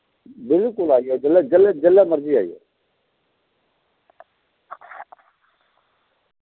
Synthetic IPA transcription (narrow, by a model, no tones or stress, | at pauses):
bɪlkʊlaːiɛːd͡ʒəlːd͡ʒəled͡ʒəlɛməɾd͡ʒiaːḭɦɛ̰ː